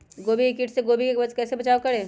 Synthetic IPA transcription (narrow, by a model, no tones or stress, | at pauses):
ɡoːbiɪkɪʈseɡoːbikeɐkɛːsebɐt͡ʃaːokɐɽẽː